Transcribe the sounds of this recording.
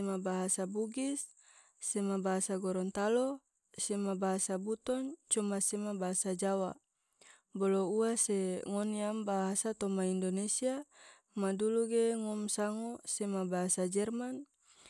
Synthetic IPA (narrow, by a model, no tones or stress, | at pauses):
mabaɦasabuɡisː | emabaɦasaɡɔɾɔnt̪alo | semabaɦasabut̪ɔnt͡ʃɔmasemabaɦasad͡ʒawa̰ | bolouaseŋɔniambaɦasat̪ɔmaindonesia | maduluɡeŋɔmsaŋosemabaɦasad͡ʒɛrman